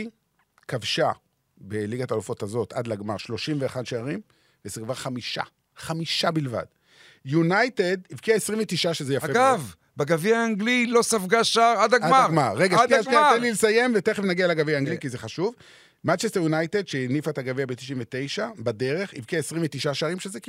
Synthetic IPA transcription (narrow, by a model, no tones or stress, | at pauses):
i | kavʃa | beliɡat̪alufo̞tazo̞t̪ad̪laɡmaʁʃlo̞ʃimveaχadʃeaʁim | vezekvaʁχamiʃa̰ | χamiʃabilva̰d | junajtedivkiaesʁiɱvet̪iʃaʃezejafeɡav | beɡaviaːŋɡlilo̞safɡaʃaʁadaɡadaaɡmaʁːeɡaaat̪enlilesaje̞mvet̪eχevnaɡialaɡavijaːŋɡlikizeχaʃuv | mant͡ʃest̪eʁjunajtedʃeinifaetaɡaviabet̪i̥ʃimvet̪e̞jʃabade̞ʁe̞χḭvkiaesʁimvet̪iʃaʃaʁimʃezeki